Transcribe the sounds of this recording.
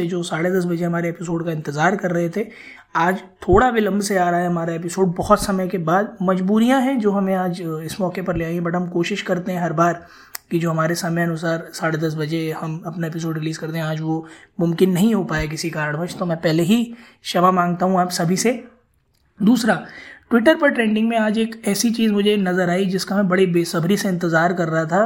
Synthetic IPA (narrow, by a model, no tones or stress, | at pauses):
ed͡ʒoːsaːɽed̪ɐs̬bɐd͡ʒeɦɐmaːɾeeːpɪs̬oːɖkaɪ̃nt̪ɪzaːɾkɐɾːɐɦet̪ʰe | aːd͡ʒt̪ʰoːɽabɪlɐ̃mbʱseaːɾaɦaeɦɐmaːɾaeːp̬ɪsoːɖ̚bɐɦɔt̪sɐməjkebaːd̪̚mɐd͡ʒbuːɾijãɦɛ̃d͡ʒoːɦɐmẽaːd͡ʒɪsmɔːkepɐɾleaːĩɦɛ̃bɐʈɦɐmkoːʃɪʃkɐɾt̪eɦɛ̃ɦɐɾbaːɾ | kid͡ʒoːɦɐmaːɾesaːmeɐnʊs̬aːɾsaːɽed̪ɐs̬bɐd͡ʒehɐmɐpnaep̬ɪs̬oːɖɾɪliːzkɐɾt̪eɦɛ̃aːd͡ʒʋomʊ̃mkɪnːɐɦĩɦopaːek̬ɪsikaːɾɖbɐt͡ʃʰt̪omɛ̃ːpɛɦleɦi | ʃɐʋamãːŋɡ̚t̪aɦũaːpsɐbʱise | d̪uːsɾaʈwɪʈəɾpɐɾʈɾẽːɳɖɪ̃ŋɡmẽaːd͡ʒeːkɛːsit͡ʃiːzmʊd͡ʒʱenɐzəɾaːid͡ʒɪskaɦbɐɽibeːsɐbʱɾiseɪ̃nt̪ɪzaːɾkɐɾːɐɦat̪ʰaː